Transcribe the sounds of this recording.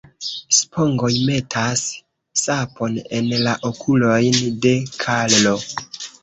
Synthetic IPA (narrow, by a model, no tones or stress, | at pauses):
spʰo̞ŋɡo̞jme̞tʰasː | apo̞ne̞nlaʔokʰulo̞jnde̞kʰallo̞